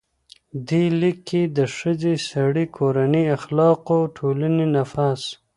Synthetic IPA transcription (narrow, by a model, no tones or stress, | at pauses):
d̪elikːed̪əʂəzesaɽikʰoɾaniaxlɑqoʈʰolanenafas